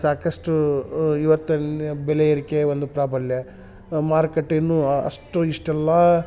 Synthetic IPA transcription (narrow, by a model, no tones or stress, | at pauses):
saːkɐʂʈuiʋɐt̪ːubɛlejiɾikːeʋond̪upɾaːbʱɐljɐ | maːɾkeʈːinːuɐ̰ʂʈuiʂʈɛlːɐ